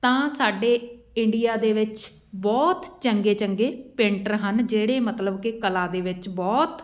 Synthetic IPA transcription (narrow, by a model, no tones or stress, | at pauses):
t̪ãːsaːɖeː | ɪɳɖɪjaːd̪eːʋɪt͡ʃ | bɔːt̪t͡ʃəŋɡeːt͡ʃəŋɡeːpẽːɳʈəɾɦənd͡ʒeːɽeːmət̪ləbkɪkəlaːd̪eːʋɪt͡ʃbɔːt̪